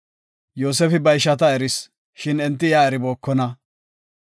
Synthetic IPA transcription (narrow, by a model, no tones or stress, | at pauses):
joːsɛfɪbɐjʃɐt̪ɐɛɾɪs | ʃɪnɛnt̪ːɪjaːɛɾɪboːkːɔnɐ